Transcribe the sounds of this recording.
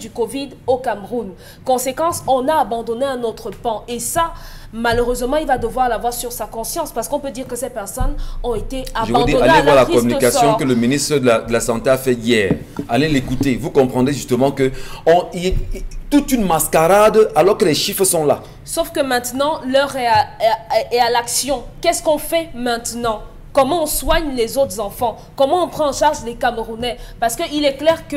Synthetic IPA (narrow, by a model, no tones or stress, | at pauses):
d̪ykɔvid̪okamʁun | kɔ̃sekɑ̃sɔ̃naːbɑ̃d̪ɔneɛ̃not̪χəpɑ̃esa | maløʁøzmɑ̃ilvad̪əvwaʁlavwaʁsyʁsakɔ̃sjɑ̃spaʁsə̥kɔ̃pød̪iʁkəsɛpɛʁsɔnɔ̃et̪eaʒəɑvũd̪ialɛvwaʁlakɔmynikasjɔ̃kələminist̪χəd̪əlad̪əlasɑ̃t̪eafɛijɛːʁ | alɛ̃lekut̪evukɔ̃pχɑ̃d̪ʁeʒyst̪əmɑ̃kəɔ̃iɛt̪ut̪ynmaskaʁad̪alɔʁkəlɛʃifχəsɔ̃la | sofkəmɛ̃t̪nɑ̃lœʁɛ | ɛalaksjɔ̃kɛskɔ̃fɛmɛ̃t̪nɑ̃ | kɔmɑ̃ɔ̃swaɲlɛzot̪χəzɑ̃fɑ̃ | kɔmɑ̃ɔ̃pχɑ̃ːʃaʁʒəlekamʁunɛpaʁsə̥kəilɛklɛʁkə